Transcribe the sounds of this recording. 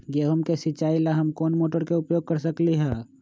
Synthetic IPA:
ɡeːɦʊmkesɪt͡ʃaːilaɦɐmkoːnmoːʈəɾkeʊpjoːɡ̚kəɾsɐkliɦɛː

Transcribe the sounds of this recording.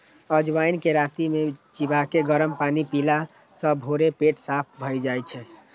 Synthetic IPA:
əd͡ʒwainkeɾat̪imet͡ʃibakeɡəɾəmpanipila | sə̃bʱoɾepeʈsap̚ʰbʱəjd͡ʒajt͡ʃʰɛ

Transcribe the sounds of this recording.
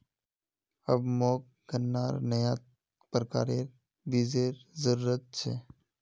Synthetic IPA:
əbmɔːk̚ | ɡʱənːaːɾnəjaː | pɾəka̰ːɾeɾ | biːzeːɾzəɾuːɾət̪̚t͡ʃʰḛː

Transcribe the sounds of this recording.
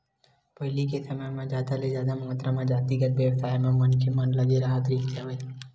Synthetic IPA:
pəɦlikesəməjmãd͡ʒaːd̪aled͡ʒjaːd̪amaːt̪ɾãmãd͡ʒaːt̪iɡət̪ʋjəʋsaːjmãmənkemənləɡeɾaɦət̪ɾiːkʰt̪jaʋə

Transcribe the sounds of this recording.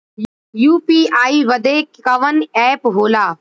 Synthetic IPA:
juːpiːaːiːʋəd̪eːkkəʋənɛːpɦoːlaː

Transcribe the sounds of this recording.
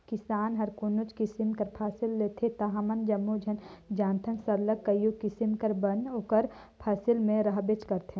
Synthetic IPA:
kɪsaːnɦɐɾkʊnʊt͡ʃkisimkɐɾpʰaːsɪlːeːt̪ʰet̪ɐɦamɐnd͡ʒɐmːud͡ʒʱɐnd͡ʒãːnt̪ʰənsɐɾləkːɐjukɪsimkɐɾbɐnoːkəɾ | pʰaːsɪlmẽɾɐɦbet͡ʃkɐɾt̪ʰẽ

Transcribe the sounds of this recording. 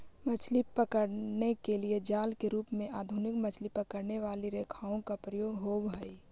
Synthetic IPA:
mɐt͡ʃʰliəkəɽnekelied͡ʒaːlkeɾuːpmẽʔaːd̪ʱʊnɪkmɐt͡ʃʰlipəkəɾneʋaːliɾeːkʰaːõkapɾəjoːɡɦoːʋɦɐi

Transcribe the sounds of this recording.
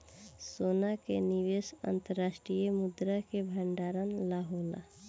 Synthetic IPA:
sonakeniʋesə̰nt̪əɾːaːsʈɾijəmʊd̪ɾakebʱəɳɖaːɾənlaɦoːla̰

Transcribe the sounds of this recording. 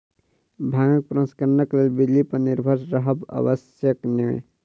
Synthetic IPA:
bʱaŋək̚pɾə̃skəɾənəklelbid̪lipəniɾbʱəɾɾəɦəbə̰bəs | jəkniḛ̃

